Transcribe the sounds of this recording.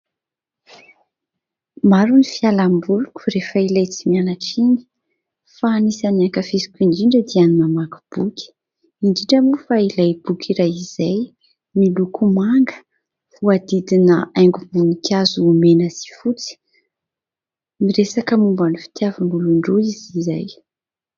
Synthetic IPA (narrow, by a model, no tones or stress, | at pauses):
maɾunifialambulukʲu̥refəilajt͡simianaʈ͡ʂini̥ | faːnisaniakəfisi̥kʲiɳɖ͡ʐiɳɖ͡ʐəd̪ianunəmaku̥b̥ukʲi̥ | iɳɖ͡ʐiʈ͡ʂəmufailajb̥ukʰʲiɾaizaj | milukumaŋɡə̥ | vuad̪id̪inəajŋɡumbunikʲazuːmenəz̥i̥fut͡si̥ | miɾesakəmumbanifi̥t̪javinuluɳɖ͡ʐoiziza̰j